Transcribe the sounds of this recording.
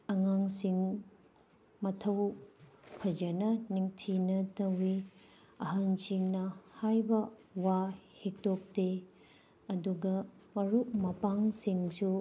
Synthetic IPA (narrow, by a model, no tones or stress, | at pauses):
ɐŋaŋsiŋ | mɐtʰɐw | pʰɐd͡ʒɐnɐniŋtʰinɐtɐwi | ɐɦɐnsiŋnɐhajbɐwahek̚tok̚te | ɐduɡɐmɐɾumɐpaŋsiŋsu